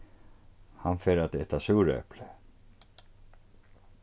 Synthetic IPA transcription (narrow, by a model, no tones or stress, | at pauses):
hanfɛːɾat̪ɛht̪asuwɾɛ̰plɪ